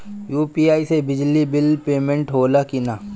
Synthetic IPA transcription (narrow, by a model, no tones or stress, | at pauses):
juːpiːaːisebɪd͡ʒlibɪlpeːmẽɳʈɦoːlakina